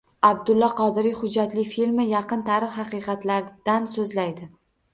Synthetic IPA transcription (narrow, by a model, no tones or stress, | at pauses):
ab̚d̪ʊlːɒqʰɒd̪ɪɾihʊd͡ʒːat̪lɪfilmɪjɑqɨnt̪ʰaɾɪχhɑqɨjqɑt̪laɾd̪̥ansɵzlajd̪ɪ